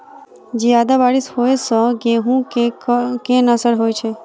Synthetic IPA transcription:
d͡ʒead̪abaɽishoesɔ̃ɡeɦũkekenəsəɽɦojt͡ʃʰe

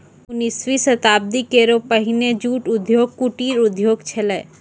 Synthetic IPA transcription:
ʊnisʋisɐt̪aːb̚d̪ikeːɾopəɦɪned͡ʒuːʈʊd̪ʱjoːɡ̚kuʈiːɾʊd̪ʱjoːɡt͡ʃʰeleː

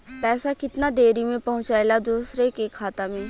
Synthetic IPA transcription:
pɛːsakɪt̪nad̪eːɾimẽpɐɦʊ̃t͡ʃaelad̪uːsɾekekʰːaːt̪amẽː

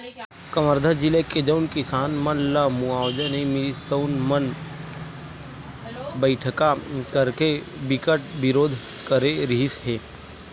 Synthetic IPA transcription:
kɐməɾd̪ʱad͡ʒileked͡ʒəʊnkɪsaːnmənləmuaːwd͡ʒənimist̪əʊnmɐn | bəɪʈʰəkakəɾke | bɪkəʈ̚bɪɾoːd̪ʱ | kəɾeɾiɦɪsɦeː

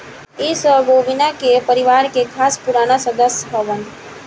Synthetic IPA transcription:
isəbʱoːbɪnakepəɾɪʋaːɾkekʰaːspuɾaːnasəd̪əsjɦəʋən

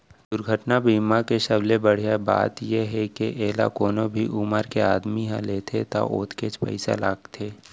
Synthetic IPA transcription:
d̪ʊɾɡʱəʈnabiːmakeʃəblebəɽ̤jaba̰ːt̪jeɦɛkeʔeːla̰koːnobʱiʔʊməɾkeaːd̪miɦãleːt̪ʰet̪a̰ʔo̰ːt̪ʰket͡ʃpə̰ɪsa̰laːɡt̪ʰeː

